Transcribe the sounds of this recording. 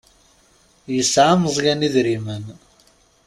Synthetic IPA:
jəsʕaməzˤjæniðɾimən

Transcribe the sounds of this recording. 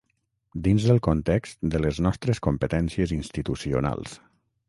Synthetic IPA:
d̪inzðəlˠkont̪ɛkst̪d̪ələznɔst̪ɾəskompət̪ɛnsiəzinst̪it̪usio̰na̰lˠs

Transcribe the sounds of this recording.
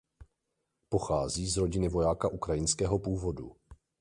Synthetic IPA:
po̞xaːziːzɾo̞ɟɪnɪvo̞jaːkaʔukɾajɪnskɛːɦo̞puːvo̞dṵ

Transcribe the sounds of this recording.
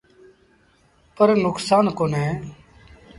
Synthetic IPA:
pəɾnʊksaːnkoːnɦẽː

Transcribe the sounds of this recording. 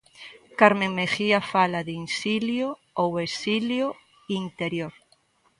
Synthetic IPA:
kaɾmẽŋmexiafalaðinsiljo | owesiljo | int̪eɾjoɾ

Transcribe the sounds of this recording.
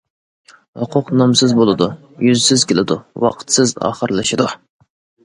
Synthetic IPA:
hʊqʰʊqnɑmsɨzbolˠɨd̪u | jyzsɪzkʲɪlɪd̪ṵwɑ̰qʰə̥t̪sɪzɑ̰ːχəɾlˠɨʃɪd̪u

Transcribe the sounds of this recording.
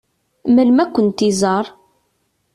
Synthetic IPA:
mælmækʷːənt̪izˤɑɾˤ

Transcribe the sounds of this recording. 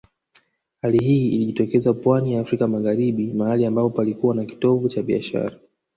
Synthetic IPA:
haliɦiiliʄitɔkɛzapwanijaːfɾikamaɣaɾiɓimahaliambapɔpalikuwanaki̥tɔvut͡ʃaɓia̰ʃa̰ɾa

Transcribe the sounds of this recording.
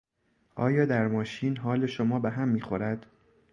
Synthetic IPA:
ʔɒːjɒːd̪æɾmɒːʃiːnɦɒːle̞ʃomɒːbeɦæmːiːxo̞ɾæd̪̥

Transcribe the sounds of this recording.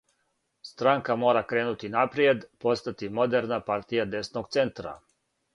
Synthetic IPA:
st̪ɾaŋkamo̞ːɾakɾe̞ːnut̪inapɾje̞d̪po̞st̪at̪imo̞d̪eɾnapaɾt̪ijad̪e̞snoɡt̪se̞nt̪ɾa̰

